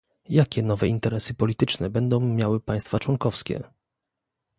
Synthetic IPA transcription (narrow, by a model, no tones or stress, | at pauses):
jakʲɛnɔvɛint̪ɛɾɛsɘpɔlʲit̪ɘt͡ʂnɛbɛnd̪ɔ̃w̃mʲjawɘpajst̪fat͡ʂwɔŋkɔfskʲɛ̰